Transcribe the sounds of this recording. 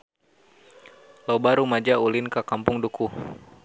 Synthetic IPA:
lobaɾumad͡ʒaulɪnkakampʊŋduku

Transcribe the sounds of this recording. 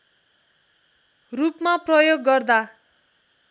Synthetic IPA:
rupmaprʌjoɡːʌrd̪a

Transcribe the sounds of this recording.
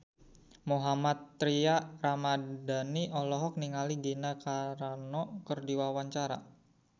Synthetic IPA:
muɦamat̪ːɾiaramadaniʔɔlɔɦɔk̚niŋaliɡinakaɾanɔkərdiwawaɲt͡ʃaɾa̰

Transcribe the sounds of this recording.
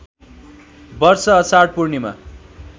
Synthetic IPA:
bʌrsʌːsaɽ̚purnima̰

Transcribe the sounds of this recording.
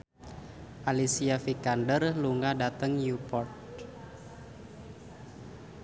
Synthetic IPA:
ʔalisiafikandərluŋadat̪əŋjupɔrt̪̚

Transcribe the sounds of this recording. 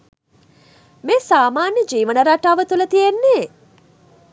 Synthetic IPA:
meːsaːmaːnjəd͡ʒiːʋənəɾaʈaːʋət̪ulət̪ijenːeː

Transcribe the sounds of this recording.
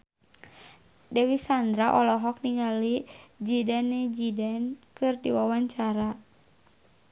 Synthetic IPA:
dɛwisand̪ɾaʔɔlɔɦɔk̚niŋɡalid͡ʒidanːɛd͡ʒidankɨrdiwawaɲt͡ʃaɾa

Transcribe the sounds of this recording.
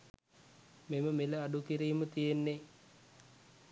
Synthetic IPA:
meməmeləaɖukiɾiːmət̪ijenːe

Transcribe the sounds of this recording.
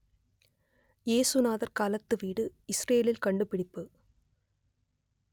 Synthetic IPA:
jeːsɯnaːðɐɾkaːlɐt̪ːɯʋiːɽɯɪsreːjlɪlkɐɳɖɯpɪɽɪpːɯ

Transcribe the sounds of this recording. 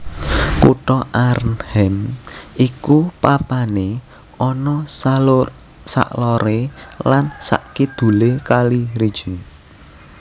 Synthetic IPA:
kṵʈɔʔaɾnhɛmʔikupapane | ɔnɔsalʊr | sa̰ʔlɔɾelansa̰ʔkid̪̥ṳlekaliɾi̥ʒ̥in

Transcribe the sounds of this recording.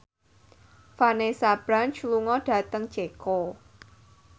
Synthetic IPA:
fanesab̥ɾant͡ʃluŋɔɖ̥ä̤t̪əŋ̥d͡ʒ̥eko

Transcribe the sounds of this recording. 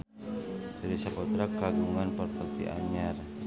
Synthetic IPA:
ɾisapɔt̪ɾakaɡuŋanpərpərt̪ḭʔa̰ɲar

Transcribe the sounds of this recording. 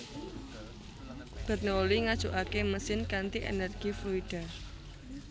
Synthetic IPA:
b̥a̤t̪̚neoliŋad̥ʒ̥ṳʔakeməsɪnkant̪iʔḛnɛrɡ̥ifluiɖ̥a̤

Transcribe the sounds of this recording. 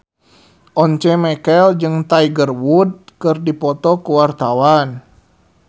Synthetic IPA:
ʔɔɲt͡ʃɛmɛkɛld͡ʒɨŋt̪aiɡərwud̚kɨrdipɔt̪ɔkuwart̪awan

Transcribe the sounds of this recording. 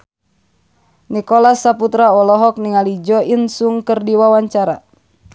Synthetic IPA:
nikɔlasaput̪ɾaɔlɔɦɔk̚niŋalid͡ʒɔinsuŋkərdiwawaɲt͡ʃaɾa̰

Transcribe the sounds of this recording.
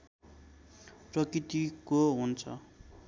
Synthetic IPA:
prʌkrit̪ikoɦunt͡sʰʌ̰

